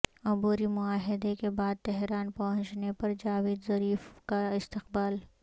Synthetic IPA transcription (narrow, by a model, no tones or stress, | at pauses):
ʊbuːɾimʊaːɦɪd̪ekebaːd̪̚t̪ɛɦɾaːnpɐɦʊ̃ɲt͡ʃnepɐɾd͡ʒaːweːd̪zɐɾiːfkaɪst̪ɪqbaːl